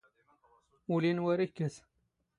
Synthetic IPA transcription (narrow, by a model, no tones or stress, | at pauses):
ulinwɐɾihkes